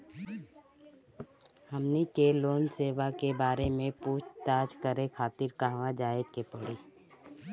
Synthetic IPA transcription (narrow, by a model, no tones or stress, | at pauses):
hɐmnikeloːnseːʋakebaːɾemẽpuːt͡ʃʰt̪aːd͡ʒkəɾekʰaːt̪ɪɾkaɦʋad͡ʒaːekepəɽiː